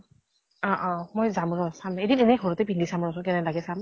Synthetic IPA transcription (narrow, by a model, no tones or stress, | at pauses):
ɔ̃ʔɔ̃mojzamɹɔsamaedinenɛxoɹɔtɛpindisamɹɔsʊ̃kɛnɛlaɡɛsam